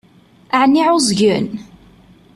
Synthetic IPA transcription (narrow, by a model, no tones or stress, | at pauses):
aʕnːiʕʊzʝən